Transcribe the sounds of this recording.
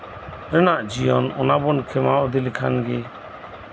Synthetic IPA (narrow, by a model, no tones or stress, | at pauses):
ɾɛnaʔd͡ʒijɔnɔnabɔnkʰɛmaɔd̪ilikʰa̰nɡɛ